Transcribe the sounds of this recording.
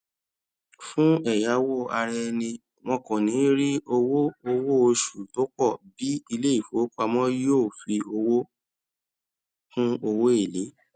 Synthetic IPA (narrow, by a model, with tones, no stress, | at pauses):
fũ˦ɛ˦˨ja˨˦wo˦˨a˧ɾɛ˧nĩ˧ | w̃ɔ̃˧kɔ̃˨nĩ˨˦ɾi˦o˧wo˦o˧wo˦o˧ʃu˨to˨˦k͡pɔ˦˨bi˨˦i˧le˦i˦˨fo˨˦k͡pa˧mɔ̃˦joː˦˨fi˧o˧wo˦ | fũ˦o˧wo˦e˦˨le˨˦